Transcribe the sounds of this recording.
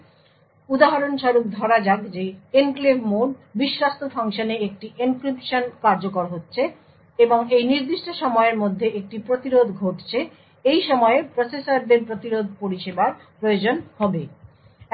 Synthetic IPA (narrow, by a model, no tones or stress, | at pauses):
ud̪aɦaɾonʃɔɾuk̚d̪ʱɔɾad͡ʑaɡd͡ʑeenklebʱmoɖbiʃɾast̪ofʰaŋʃoneek̚ʈiʔinkɾipʃonkaɾd͡ʑokoɾɦotːɕʰe | eboŋejniɾd̪iʃʈʰoʃɔmɔeeɾmod̪ʱːeʔek̚ʈipɾot̪iɾod̪ʱɡʱoʈt͡ɕʰe | ejʃɔmɔeepɾosesaɾd̪eɾpɾot̪iɾod̪̚ʱpoɾiʃebaɾpɾojod͡ʑonhɔbe